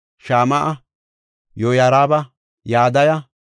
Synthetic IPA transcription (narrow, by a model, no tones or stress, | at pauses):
ʃaːmɐʔɐ | jojaɾaːbɐ | jaːd̪ɐjɐ